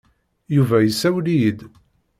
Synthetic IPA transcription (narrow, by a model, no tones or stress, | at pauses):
juvæjəsːæwlid̪